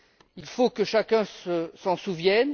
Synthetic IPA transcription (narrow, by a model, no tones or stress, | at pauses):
ilfokəʃakʲɛ̃səsɑ̃suvjɛn